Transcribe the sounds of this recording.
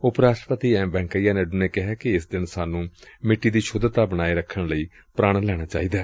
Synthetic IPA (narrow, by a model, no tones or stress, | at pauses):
ʊpɾaːsʃʈɾəpət̪iːɛ̃ːmbɛ̃ːŋkəijaːnɛːɖuːneːkɪɦɛːkɪɪsd̪ɪnsaːnũːmɪʈːiːd̪iːʃʰʊd̪t̪aːbəɽ̃aːeːɾəkʰːəɽləiː | pɾaːɽ̃lɛːɽ̃aːt͡ʃa̰ːiːd̪aː